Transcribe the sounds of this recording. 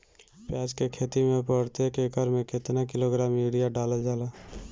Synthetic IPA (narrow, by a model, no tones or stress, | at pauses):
pjɛːd͡ʒkekʰeːt̪imẽpəɽt̪ekekəɾmẽkɪt̪nakɪloɡɾaːmeːɽijaɖaːlad͡ʒaːlaː